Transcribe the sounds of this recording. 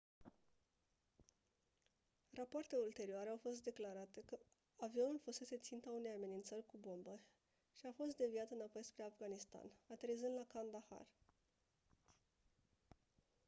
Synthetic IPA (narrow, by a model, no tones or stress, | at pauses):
rapoart̪e̞ult̪e̞ɾioaɾe̞awfo̞st̪̚d̪e̞klaɾat̪e̞kə | avio̞nulfose̞se̞t̪sint̪aune̞jame̞nint̪sərʲkubo̞mbə | ʃiafo̞st̪̚d̪e̞viat̪ɨnapo̞jspɾe̞afɡanist̪a̰nat̪eɾizɨnd̪lakand̪axa̰r